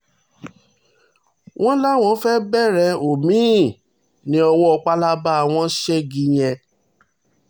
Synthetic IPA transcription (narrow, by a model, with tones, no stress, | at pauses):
wʔɔ̃˦la˦˨w̃ɔ̃˨˧˦fɛ˦bɛ˦˨ɾɛ˧o˨mĩ˨˦˨ | nĩ˨˦ɔ˧wɔ˦ɔ˧k͡pa˦la˦ba˦˨w̃ɔ̃˦ʃɛ˦ɡĩ˧j̃ɛ̃˧